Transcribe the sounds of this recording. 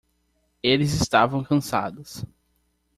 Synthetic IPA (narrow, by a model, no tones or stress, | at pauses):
elɪzɪst̪avɐ̃w̃kɐ̃sa̰d̪ʊs